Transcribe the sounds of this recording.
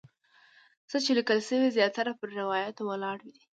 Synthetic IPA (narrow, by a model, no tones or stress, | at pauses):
t͡sət͡ʃelikəlsəwezjɑt̪aɾapəɾːɪwɑjat̪owəlɑɽid̪i